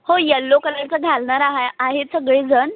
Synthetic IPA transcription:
hojəlːokələɽt͡səɡʱalɳaɾaɦaaɦesəɡɭed͡zʱən

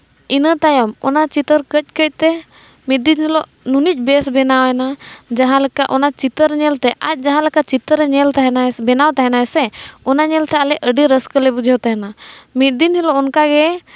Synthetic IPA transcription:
inət̪ajɔmɔnat͡ʃit̪əɾkəc̚ˀkəc̚ˀt̪ɛ | mit̪̚d̪inhɛlɔʔ | nunic̚ˀbɛsbɛnawɛnad͡ʒaɦãlɛkaʔɔnat͡ʃit̪əɾɲɛlt̪ɛʔac̪̚ˀd͡ʒaɦãlɛkat͡ʃit̪əɾɲɛlt̪aɦɛnabɛnawt̪aɦɛnaɛsɛɔnaɲɛlt̪ɛalɛʔʔəɖiɾəskəlɛbud͡ʒʱɛwt̪aɦɛnamit̪̚d̪inhɛlɔʔɔnkaɡɛ

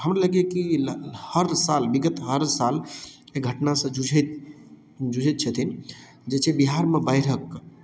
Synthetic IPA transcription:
ɦəmɾeləɡjekilhəɾsalbiɡət̪ɦəɾsaleɡʱəʈnasə̃d͡ʒud͡ʒʱet̪ | d͡ʒud͡ʒʱɛt̪̚t͡ʃʰət̪ʰin | d͡ʒet͡ʃʰebiɦaɾmebaɪɾək

